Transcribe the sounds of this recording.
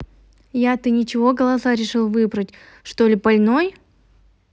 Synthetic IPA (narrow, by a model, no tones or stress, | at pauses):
jat̪ɨnʲɪt͡ɕɪvo̞ɡəlˠɐsaɾʲɪʂɨlˠvɨbɾətʲ | ʂt̪o̞lʲɪbɐlʲno̞j